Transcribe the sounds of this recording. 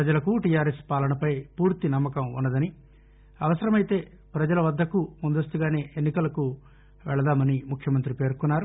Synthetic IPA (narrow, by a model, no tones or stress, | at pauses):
ɾɐd͡ʒɐlɐkuʈijaːɾespaːlɐnɐpɐjpuːɾt̪inɐmːɐkɐmṵnːɐd̪ɐni | ɐʋɐsɐɾɐmɐjt̪e̞ː | pɾɐd͡ʒɐlɐʋɐd̪ːɐkumund̪ɐst̪uɡaːne̞ːʔenːikɐlɐku | ʋɛɭɐd̪aːmɐnimukʰjɐmɐnt̪ɾipe̞ːɾkunːaːɾu